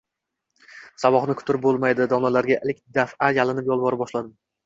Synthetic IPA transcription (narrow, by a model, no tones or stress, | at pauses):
savɒχnɪkʰʊ̥t̪ʰɪɾɪp̚bolˠmajd̪ɪd̪ɒmlalaɾɡʲaʔelɪkʲd̪afajalɪnɪpjɒlˠbɒɾɪp̚bɒʃlad̪ɪm